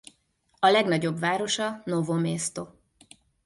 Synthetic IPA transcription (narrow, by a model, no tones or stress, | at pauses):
ɒlɛɡnɒɟo̞bvaːɾo̞ʃɒnovomeːst̪o